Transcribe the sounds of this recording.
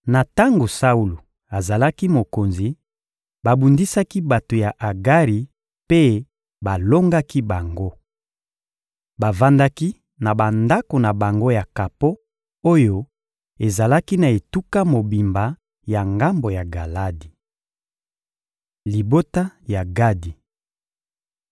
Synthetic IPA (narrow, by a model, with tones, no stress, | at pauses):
na˨ta˦ŋɡo˨sa˦u˦lu˨ | a˨za˨la˦ki˦mo˨ko˨nzi˨ | ba˨bu˨ndi˦sa˦ki˦ba˨to˨ja˨ʔa˨ɡa˦ʁi˨ | pe˦ | ba˨lo˦ŋɡa˦ki˦ba˨ŋɡo˦ | ba˨va˦nda˦ki˦ | na˨ba˨nda˦ko˨na˨ba˨ŋɡo˦ja˨ka˨po˦ | o˦jo˦ | e˨za˨la˦ki˦na˨e˨tu˦ka˦mo˨bi˨mba˨ | ja˨ŋɡa˦mbo˨ja˨ɡa˨la˦di˨ | li˨bo˦ta˦ja˨ɡa˦di˨